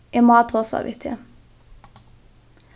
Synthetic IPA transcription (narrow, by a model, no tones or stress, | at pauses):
eːmɑːt̪hoːsɑ̰ʋʔɪ̰t̪ʰɪə